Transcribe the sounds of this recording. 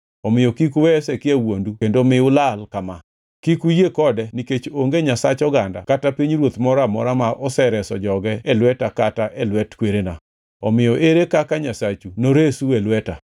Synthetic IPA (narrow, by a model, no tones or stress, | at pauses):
ɔmɪjɔkikuwɛsɛkɪewondukendomɪʊlalkama | kikujekɔdɛniket͡ʃoŋɡeɲasat͡ʃɔɡanda̰katapiɲɾwot̪mɔɾamɔ̰ɾamaʔɔsɛɾɛsɔd͡ʒɔɡɛɛlwɛtakataʔɛlwɛtkweɾena | ɔmɪjɔʔeɾekakaɲasat͡ʃunoɾesuelwɛta